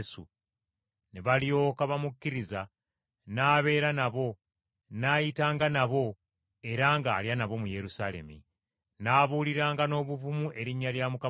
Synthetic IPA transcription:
sṵ | neβalio̞kaβamukːiɾiza | naːβe̞ːɾanaβo̞ | naːjitaːŋɡanaβo̞ | e̞ɾaŋɡaːljanaβo̞muje̞ɾusale̞̰mḭ | naːβuːliɾaːŋɡano̞ːβuvumuʔe̞ɾiɲːaljamuka

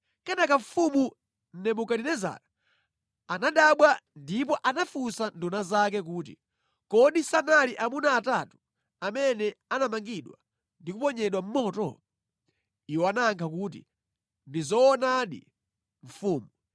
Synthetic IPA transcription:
kɛnakaɱ̩fumu | n̩nɛmukaɗinɛza̰ːɾa | anaɗaɓwandip̬ɔʔanafusandunazak̬ɛk̬uːt̬ḭ | kɔɗisanaliʔamunaːtatu̥ | amɛnɛanamaŋɡiɗwa̰ | ndikupɔɲɛɗwam̩mɔːtɔ̰ | iwɔanaŋkʰak̬ut̬ḭ | ndizɔːnaɗḭ | ɱ̩fuːmu

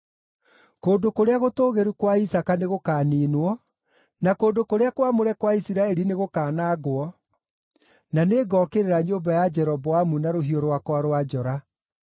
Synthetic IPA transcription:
koːndokoɾeaɣotoːɣeɾukwaisakaneɣokaːniːnwɔ | nakoːndokoɾeakwamoɾɛkwaisiɾaɛɾineɣokaːnaːɣwɔ | naneɡɔːkeɾeɾaɲoːmbajad͡ʒɛɾɔbɔwamunaɾoɦioɾwakwaɾwad͡ʒɔɾa

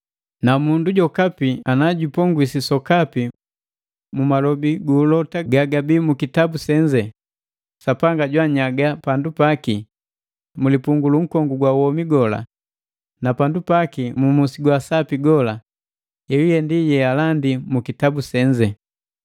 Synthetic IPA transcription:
namunduɟɔkapianaɟupɔŋɡwisisɔkapi | mumalɔbiɡulɔtaɡaɡabimukitabusɛɲd͡ʒɛ | sapaŋɡaɟwaɲaɡapandupaki | mulipuŋɡuluŋ̩kɔŋɡuɡwawɔmiɡɔla̰ | napandupakimumusiɡwasapiɡɔla | ɛwijɛndijɛalandimukitabusɛɲd͡ʒɛ

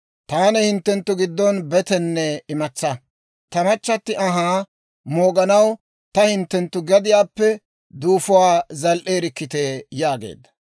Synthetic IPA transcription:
t̪aːnɛhɪnt̪ːɛnt̪ːʊɡɪd̪ːɔnbɛt̪ɛnːɛɪmɐt͡sːɐ | t̪ɐmɐt͡ʃːɐt̪ːɪʔɐɦaː | moːɡɐnɐw | t̪ɐhɪnt̪ːɛnt̪ːʊɡɛd̪ɪjaːpːɛ | d̪uːfʊwaːzɐlʔeːɾɪkːɪt̪eːjaːɡḛːd̪ːɐ̥

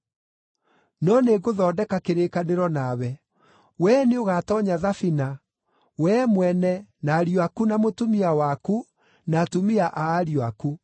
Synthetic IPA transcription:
nɔneɡoðɔːdɛkakeɾekaneɾɔnawɛ | wɛːneoɣatɔɲaðafina | wɛmwɛnɛnaɾjoakunamotumiawaku | natumiaʔaːɾjoaku

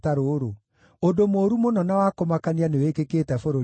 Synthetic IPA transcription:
taɾoɾo | odomoːɾumonɔnawakomakanianewekekeːtɛfoɾo

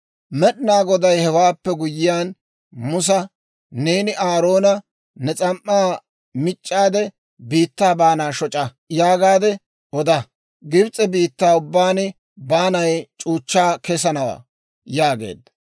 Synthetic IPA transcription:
mɛɗɪnaːɡɔd̪ɐjhɛwaːpːɛɡʊjɪjaːn | mʊs̬ɐ | ne̞ːnɪʔaːɾo̞ːnɐ | nɛt͡sʼɐmʔːaː | mɪt͡ʃʼːaːd̪ɛ | biːt̪ːaːbaːnaːʃɔt͡ʃʼɐ | jaːɡaːd̪ɛ | ʔɔd̪ɐ | ɡɪbt͡sʼːɛbiːt̪ːaːʊbːaːnɪ | baːnɐjt͡ʃʼuːt͡ʃːaːkɛsɐnɐwa̰ː | jaːɡe̞̰ːd̪ːɐ

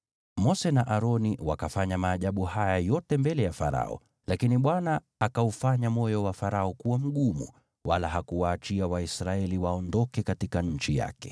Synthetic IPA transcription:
mɔsɛnaʔaɾɔniwakafaɲamaːʄaɓuhajajɔtɛmbɛlɛjafaɾa̰ɔ̰ | lakiniɓwanaː | kaufaɲamɔjɔwafaɾaɔkuwam̩ɠumṵ | walaɦakuwaːt͡ʃiawaisɾaɛliwaɔndɔkɛkatikaɲ̩t͡ʃija̰kɛ̥

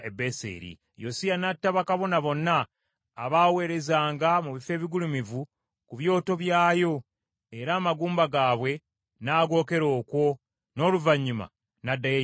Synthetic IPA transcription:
ebesḛːɾḭ | josijanatːaβakaβo̞naβo̞nːaː | βaːwe̞ːɾe̞zaːŋɡamuβife̞ːβiɡulumivu | kuβjo̞ːto̞βjaːjo̞ | eɾaːmaɡuːmbaɡaːβwe̞ | naːɡo̞ːke̞ɾo̞ːkwo̞ | no̞ːluvaɲːuma̰ | nadːaje

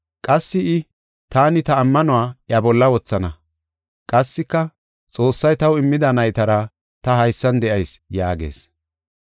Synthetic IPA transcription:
kʼɐsːɪʔɪ | t̪aːnɪt̪ɐːmːɐnʊwaːʔjɐbɔlːɐwɔt͡sːɐnɐ | kʼɐsːɪkːɐ | t͡sʼo̞ːsːɐjt̪ɐwɪmːɪd̪ɐnɐjt̪ɐɾɐ | t̪ɐhɐjsːɐnd̪ɛʔɐjsjaːɡḛːs

